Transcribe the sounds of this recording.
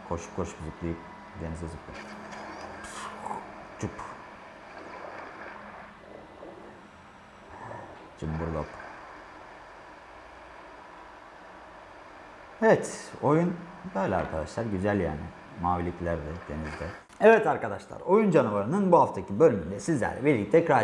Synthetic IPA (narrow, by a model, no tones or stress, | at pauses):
kʰoʃkʰːoʃcyziclʲijip | d̪e̞nizd̪ɛzɯkɯ̰ | t͡ʃup | d͡ʒɯmbuɾlˠop | ɛvɛt̪o̞junbøjlʲɛa̰ɾkʰad̪aʃlˠaɾɟyzælʲja̰ːnɪ | maːvilʲiclʲæɾd̪ɛd̪̥e̞nizd̪ɛ | ɛvɛt̪aɾkad̪aʃlˠa̰ɾo̞jund͡ʒanuvaɾɯnɯnbuɦaft̪ʰacʰibø̞lʲymynd̪ɛsizlʲæ̰ɾlʲɛ̰biɾlʲic̚t̪ʰɛkɾa